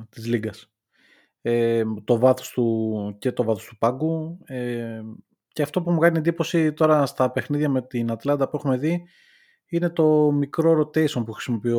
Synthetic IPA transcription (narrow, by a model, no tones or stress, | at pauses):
t̪izliɡɐs | et̪o̞vɐθo̥st̪uce̞t̪o̞vɐθost̪upɐɡue | ce̞ɐft̪o̞pumukɐniend̪ipo̞sit̪o̞ɾɐst̪ɐpe̞xniðʝɐme̞t̪inɐt̪lɐnd̪ɐpuexume̞ði | ine̞t̪o̞mikɾoɾo̞t̪e̞iso̞npuxɾisimo̞pio